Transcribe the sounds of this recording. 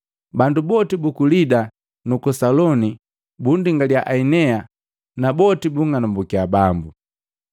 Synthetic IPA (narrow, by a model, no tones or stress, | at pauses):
bandubɔtibukulida | nukɔsalɔni | bundiŋɡaliaʔainɛa | nabɔtibuŋanambukiabambu